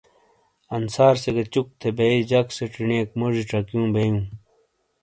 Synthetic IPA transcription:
ɐnsaːɾseɡet͡ɕuk̚t̪ʰebeid͡ʑɐkseʈ͡ʂineːkmod͡ʑiʈ͡ʂɐkjũːbejũː

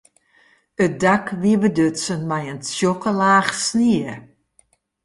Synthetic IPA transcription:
ət̚dakʋiəʋədøtsənmɛjənsjokəlaːxsniə

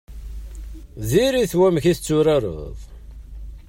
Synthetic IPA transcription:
ðiɾiθwæmçiθt͡sːʊɾaɾˤə̰ðˤ

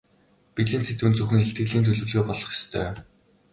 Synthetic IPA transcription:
piɮɘ̆ːnset̪wɘ̆nt͡sɵxɘ̆ŋxeɬt̪ɡɘ̆ɮiːnt̪ʰɵɮɵ̆ɮɣeːpɔɮ̥ɞ̆χje̥st̪ʰœː

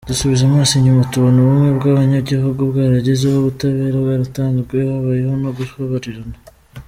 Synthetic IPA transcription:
d̥usuβizamaːsiɲumatuβonoβumwe̞βɡaːβaɲaɟihoɡoβɡaːɾaɟezeoβutaβe̞ːɾaβaɾataːŋɡikojahaβajehonoɡuoβaɾiɾana

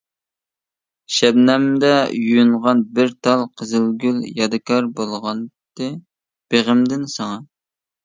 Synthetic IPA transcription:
ʃɛbnɛmd̪ɛjujuɴʁɑnbɪɾt̪ʰɑlˠqʰəzɪlɡʲyljɑd̪ɨkʰɑɾbolˠʁɑn | t̪ɨ | b̥eʁəmd̪ɪnsɑŋɑ

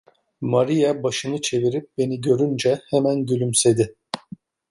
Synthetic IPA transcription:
maɾijabaʃɯnɯt͡ʃʰe̞viɾip̚be̞niɟø̞ɾynd͡ʒɛhɛmænɟylʲymse̞d̪ɪ

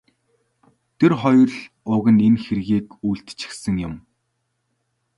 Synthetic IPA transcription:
t̪ʰerχɔjrɮ | ʊɣə̆nenxerɣeːkujɬt̪t͡ɕɪ̥̆xsə̆ŋjʊm

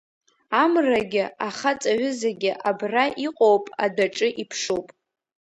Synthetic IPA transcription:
amraɡʲɪaχat͡sʼaɥʊzaɡʲɪʔabraʔiqʼowpʼadaʈ͡ʂʼɨʔipʰʂowpʼ

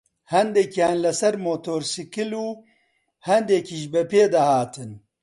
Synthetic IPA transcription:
hɐnd̪ɛkʰijaːnlɐsɐɾmoːt̪ʰoːɾsikɨluː | hɐnd̪ekʰiʒbɐpeːd̪ɐhaːt̪ʰɨn

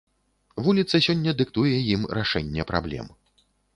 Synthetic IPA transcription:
vulʲit̪sɐsʲɔnʲːɐd̪ɨkt̪ujɛjimɾaʂɛnʲːɛpɾa̰blʲɛ̰m

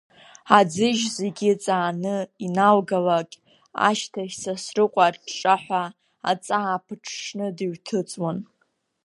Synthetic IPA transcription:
ad͡zɨʒze̞ɡʲɪt͡sʼaːnɨinalɡalakʲʼ | a̰ʃtʰaʃʲsasrɨqʷʼarʈ͡ʂʼaħʷa | a̰t͡sʼaːpʰɨʈ͡ʂʰʂnɨdiɥtʰɨt͡sʼwan

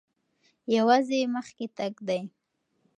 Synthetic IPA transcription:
jawazeməxket̪aɡd̪aj

